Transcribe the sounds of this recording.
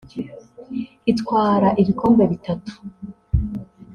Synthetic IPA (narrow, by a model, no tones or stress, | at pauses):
itkwaːɾaʔiβiko̞ːmɡeβitatu̥